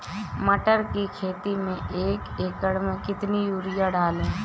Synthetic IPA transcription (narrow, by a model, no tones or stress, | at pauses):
məʈəɾkikʰeːt̪imẽʔeːkeːkəɽmẽkɪt̪nijuːɾijaɖaːlẽː